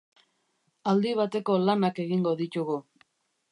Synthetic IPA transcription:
ald̪iβ̞at̪e̞ko̞lanake̞ɣiŋɡo̞ðit̪uɣu

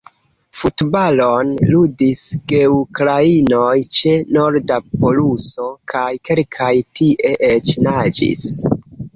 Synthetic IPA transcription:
futbalonludisɡ̥e̞ukɾainojt͡ʃe̞no̞ɾdapo̞luso̞kʰajke̞lkʰajtiʔe̞ʔet͡ʃnad͡ʒḭs

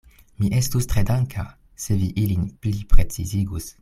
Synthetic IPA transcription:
miʔestustʁedaŋkʰa | seviʔilinplipʁet͡siziɡus

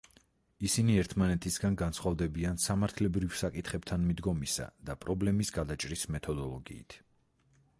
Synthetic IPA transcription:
isiniɛɾt̪ʰmanɛt̪ʰisɡanɡant̪sʰχwavd̪ɛbiansamaɾt̪ʰlɛbɾivsakʼit̪ʰχɛb̚t̪ʰanmid̪ɡɔmisa̰d̪̥apʼɾɔblɛmisɡad̪at͡ʃʼɾismɛt̪ʰɔd̪ɔlˠɔɡḭːt̪ʰ

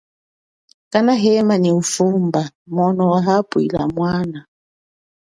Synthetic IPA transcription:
kanaɦɛmaniufumbamɔnɔwaɦapwḭla̰mwana

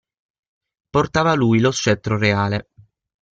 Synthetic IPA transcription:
port̪aːvalujlost͡ʃːɛt̪ːɾoreaːle

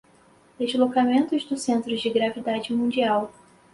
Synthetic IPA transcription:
d̪̥ezlokamẽnt̪ʊzd̪ʊsẽnt̪ɾʊzd͡ʒɪɡɾavid̪ad͡ʒɪmũnd͡ʒiaw

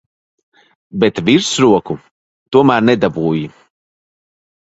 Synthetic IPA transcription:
bɛt̪viɾsɾuɔku | t̪uɔmæːɾnɛd̪abuːji

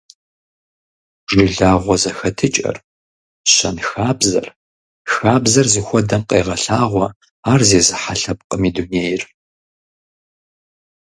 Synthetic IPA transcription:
ʒɪɮaːʁʷɔzɐxɐtʰɨt͡ʃʼɐ̰r | ɕɐnxaːbzɐ̰r | xaːbzɐrzɨxʷɔdɐmqeːʁɐɬaːʁʷɔ | aːrzeːzɨħaɬɐp̚qʼəmiːduneːjɪr

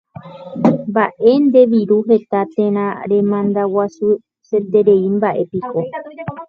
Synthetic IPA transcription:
mbaʔe̞nd̪e̞ʋiɾuɦe̞t̪at̪ẽ̞ɾ̃ãɾẽ̞mãnd̪awasu | se̞t̪e̞ɾeimbaʔe̞piko̞

